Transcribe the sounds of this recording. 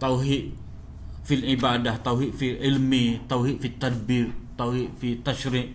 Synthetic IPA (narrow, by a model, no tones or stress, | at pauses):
t̪awɦiʔ | filʕibaːdaht̪awɦiʔfiʕɪlmit̪awɦiʔfit̪ːad̪̚biːɾt̪awɦiʔfit̪aʃɾiʔ